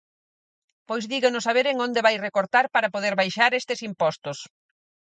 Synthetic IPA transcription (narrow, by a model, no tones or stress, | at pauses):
pojzðiɣonʊsaβ̞eɾeŋond̪eβajrekoɾt̪aɾpaɾapoðeɾβajʃaɾest̪ɪsimpɔst̪ʊs